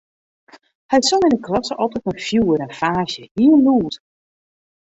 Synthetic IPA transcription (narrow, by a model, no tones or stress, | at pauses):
hɛjsɔlɪnəklɑsəʔɔlˠtətənfjuːəɾɛnfaːsjəhiəluːt